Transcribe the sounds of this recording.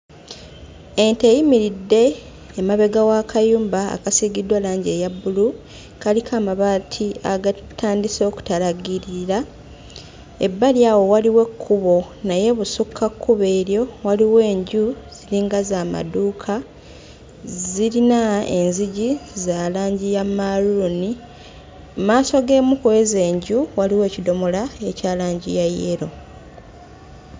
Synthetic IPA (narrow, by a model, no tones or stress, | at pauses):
e̞ntejimiɾidːe̞ː | maβe̞ɡawakʰajuːmba̰ːkasiɡidwalaːɲɟe̞ːjabːulu | kalikʰaːmaβaːtʰiaɡatʰaːndiso̞ːku̥taɾaɡiɾiɾa | ḛbːaljaːwo̞waliwe̞kʰːuβo̞ | naje̞βusukʰːakʰːuβe̞ːɾjo̞waliwe̞ːɲɟuz̥iɾiːŋɡazaːma̰duːkʰa | ziɾinaenziɟizaːlaːɲɟijamaluni | maːso̞ɡe̞ːmukoeze̞ːɲɟuwaliwe̞ːcido̞mo̞lae̞caːlaːɲɟijajeɾo̞